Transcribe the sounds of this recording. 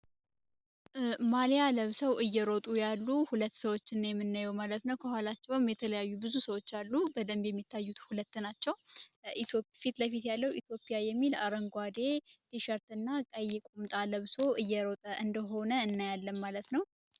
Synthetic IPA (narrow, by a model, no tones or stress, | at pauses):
malijaləβsəwʔɨjːɛɾot̪ʼujalːuhulət̪ːsəwo̞t͡ʃːɨnːjɛmːɨnːajɛwmalət̪nəwkʰəhʷwalat͡ʃːɛwmjɛt̪ʰələjajːubɨzusəwo̞t͡ʃːalːubəd̪əmbjɛmːit̪ʰːajːut̪hulət̪ːnat͡ʃːɛwiofit̪ləfit̪jalːəwḭt̪ʰjo̞pʼːijajɛmːila̰ɾəŋɡʷad̪e̞t̪ʰiʃəɾt̪ɨnːakʼəjɪkʼumt̪ʼaləβsoʔɨjːɛɾo̞t̪ʼəʔɨnd̪əɦo̞nəɨnːajalːəmːalət̪nəw